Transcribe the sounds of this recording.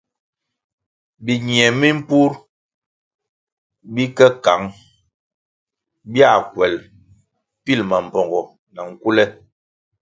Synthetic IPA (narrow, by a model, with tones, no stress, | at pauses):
bi˨ɲi˨ɛ˨mi˦m̩˦pu˦ɾ | bi˦kɛ˦ka˨˦ŋ | bja˦˨kwɛ˨l | pi˦˨lma˨m̩˨pɔ˨ŋɡɔ˨ | na˨ŋ̩˨ku˦lɛ˦